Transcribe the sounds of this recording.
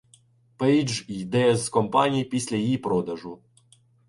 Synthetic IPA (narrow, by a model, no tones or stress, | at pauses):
pɛjd͡ʒid̪ɛzkɔmpanʲijpʲisʲlʲɐjjipɾɔd̪ɐʐu